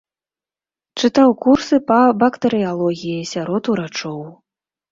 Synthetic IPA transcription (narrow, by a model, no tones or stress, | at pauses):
t͡ʂɨt̪awkursɨpɐbɐkt̪ɐɾɨjalˠɔɣʲijisʲaɾɔt̪uɾat͡ʂɔw